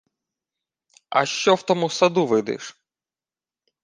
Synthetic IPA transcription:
ɐ̰ʃt͡ʃɔwt̪ɔmusɐd̪uʋɪd̪ɪ̰ʃ

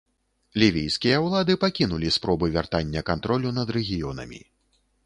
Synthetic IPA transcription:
lʲivʲijskʲijɐwlˠad̪ɨpakʲinulʲispɾɔbɨvʲa̰rt̪anʲːɐkant̪ɾɔlʲunɐd̪ɾɛɣʲijɔnɐ̰mʲḭ

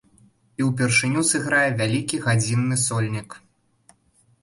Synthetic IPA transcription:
iwpʲɛrʂɨnʲusɨɣɾajɛvʲalʲikʲiɣad͡zʲinːɨsɔlʲnʲik

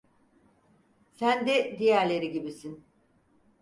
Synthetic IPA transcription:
sænd̪ɛd̪ijæɾlʲe̞ɾiɟibisin

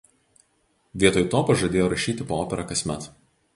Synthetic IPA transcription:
ʋʲiɛt̪oːjt̪oːpɐʒɐd̪ʲeːjoːɾɐʃʲiːt̪ʲɪpooːpʲɛɾɐkɐsʲmʲɛt̪

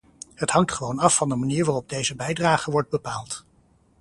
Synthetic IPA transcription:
ɦətɦɑŋtχəʋownɑfːɑndəmaniːɹʋaːrɔb̚dejzəbɛjdraːχəʋɔɹd̚bəpaːlˠt

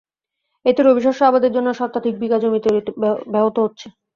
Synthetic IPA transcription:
et̪eɾobiʃ̬ɔʃabad̪eɾd͡ʑonːoʃɔt̪ːat̪ʰik̚bikad͡ʑomit̪eɾbɛbot̪oɦotːɕʰe̥

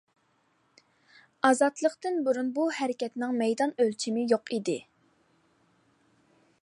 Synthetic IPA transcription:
ɑzɑt̪lˠəqt̪ɨnbuɾunbuhɛɾɪkʲʰɛt̪nɪŋmɛjd̪ɑnølt͡ʃʰimɪjoqid̪ɪ

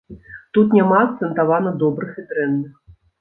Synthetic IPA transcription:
t̪ut̪̬nʲamaːk̚t̪sɛnt̪avanɐd̪ɔbɾɨxit̪ɾɛnːɨx

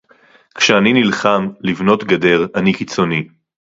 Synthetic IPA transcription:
kʃeaninilχamlivno̞tɡade̞ʁanikit͡so̞ni

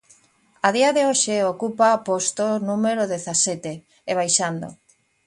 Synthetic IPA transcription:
aðiaðeoʃeokupapost̪onũmeɾoðeθasɛt̪eː | βajʃand̪o̰

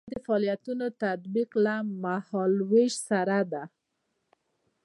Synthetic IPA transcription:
d̪əfaːlijat̪unot̪at̪biqlamahɑlweʒsaɾad̪a

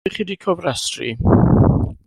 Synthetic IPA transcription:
iχidikʰɔvrasrḭ

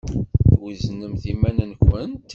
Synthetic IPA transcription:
θwiznəmθimænənkʷənt̪

